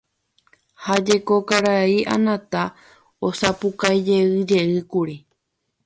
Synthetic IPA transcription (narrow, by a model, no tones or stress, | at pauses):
had͡ʒe̞ko̞kaɾaiʔã̰nãt̪a | osapukajd͡ʒe̞ɨd͡ʒe̞ɨkuɾi